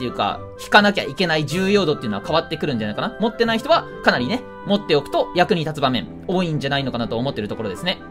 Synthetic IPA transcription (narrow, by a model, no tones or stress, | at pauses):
t̪ːejɯ̟ːka̰ | çi̥kanak̬ʲa̰ike̞naiʑɨːjo̞ːd̪o̞t̪ːeiɯ̟noakaβat̪ːe̞kɯ̟ɾɯ̟̃ɲ̟d͡ʑanaikanamo̞t̪ːe̞naiçi̥t̪o̞βa | kanaɾʲine̞ | mo̞t̪ːeo̞kɯ̟̥t̪o̞jakɯ̟ɲ̟it̪at͡sɨbamẽ̞ɴ | o̞ːĩɲ̟d͡ʑanaino̞kanat̪o̞ːmo̞t̪ːe̞ɾɯ̟t̪o̞ko̞ɾo̞d̪e̞sɨne̞